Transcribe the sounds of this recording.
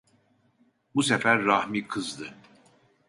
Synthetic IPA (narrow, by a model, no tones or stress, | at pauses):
busefæɾːahmikʰɯzd̪ɯ